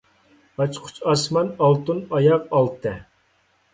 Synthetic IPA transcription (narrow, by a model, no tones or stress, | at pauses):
ɑt͡ʃqʰʊ̥t͡ʃʰɑsmɑnɑlˠt̪unɑjɑqɑlˠt̪ʰɛ